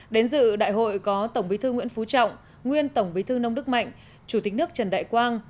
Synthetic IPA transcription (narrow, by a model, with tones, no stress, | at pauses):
ɗe˨˦nzɨ̰˧˨ɗa̰ː˧˨jɦo̰˧˨jkɔ˨˦t̪ə˧˩wŋ͡mɓi˨˦t̪ʰɨ˧ŋwḭ˧˥ənfu˨˦t͡ɕɔ̰˧˨wŋ͡m | ŋwi˧ənt̪ə˧˩wŋ͡mɓi˨˦t̪ʰɨː˧nə˧wŋ͡mɗɨ˦˥k̚ma̰˧˨jŋ̟ | t͡ɕu˧˩t̪ï˨˦k̟̚nɨ˦˥ək̚t͡ɕə˨˩nɗa̰ː˧˨jkwaː˧n